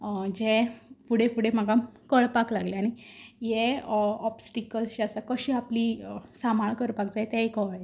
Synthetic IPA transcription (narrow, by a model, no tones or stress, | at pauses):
d͡zefuɽefuɽem̤aɡamkəɭpaklaɡleañijeɔpsʈikəlsɕiasakəɕiːapliːsamaɭkəɾpakd͡zaet̪ɛ̃ekɔʋae